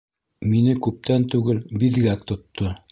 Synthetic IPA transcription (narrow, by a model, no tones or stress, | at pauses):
minɘkʉp̚t̪ænt̪ʉɡɘlbiðɡækt̪ŏt̪ːo